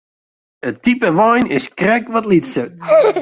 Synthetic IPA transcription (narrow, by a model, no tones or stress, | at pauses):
ətipəʋɔjnɪskrɛkʋɔtlitsət